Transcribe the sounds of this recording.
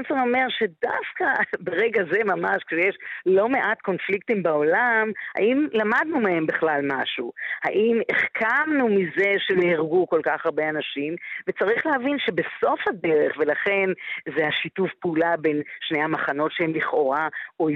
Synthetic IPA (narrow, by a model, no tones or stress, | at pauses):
nsono̞me̞ʁʃe̞dafkabeʁeɡaze̞mamaʃkʃejeʃlo̞me̞ʔatko̞nfliktimbaolamha̰ʔimlamadnumehembeχlalmaʃuha̰ʔimeχkʰamnumizeʃenehiʁɡuko̞lkaχaʁbeanaʃimvet͡saʁiχlehavinʃe̞be̞so̞fhadeʁeχve̞laχe̞nzehaʃitufpeulabenʃnejhamaχano̞tʃeemliχo̞ʁao